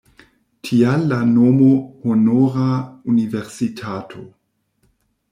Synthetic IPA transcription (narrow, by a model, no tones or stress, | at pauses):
tʰialːanomohonoɾauniveɾsitʰatʰo